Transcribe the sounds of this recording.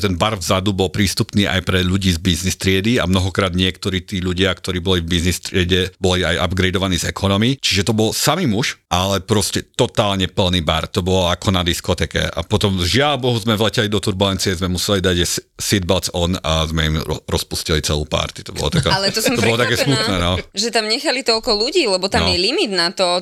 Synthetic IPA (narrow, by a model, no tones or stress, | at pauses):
t̪ɛnbaɾvzad̪ubɔlpɾiːst̪upniːʔa̰jpɾɛʎuɟiːzbiznist̪ɾɪɛd̪ia̰mnɔɦɔkɾaːd̪ɲɪɛkt̪ɔɾiːt̪iːʎuɟɪakt̪ɔɾiːbɔlivbiznist̪ɾɪɛɟɛbɔlia̰jʔa̰bɡɾɛjd̪ɔʋaniːzɛkʰɔnɔmit͡ʃiʒɛt̪ɔbɔlsamiːmuʃʔalɛpɾɔscɛt̪ɔt̪aːlɲɛpl̩niːba̰ɾt̪ɔbɔlɔakʰɔnad̪iskɔt̪ɛːkɛ̰a̰pɔt̪ɔmʒɪalbɔɦuzmɛvlɛcɛlid̪ɔt̪uɾbulɛnt͡siɛzmɛmusɛlid̪aɟɛssid̪̚balt͡sɔna̰zmɛimɔɾɔspuscilit͡sɛlṵːpa̰ɾt̪i̥t̪ɔbɔ̰lɔ̰t̪akaalɛt̪ɔst̪ɔbɔlɔt̪akɛːsmut̪nɛːnɔʒɛt̪amɲɛxalit̪ɔlkɔluɟiːlɛbɔt̪anɔmjɛlimid̪nat̪ɔ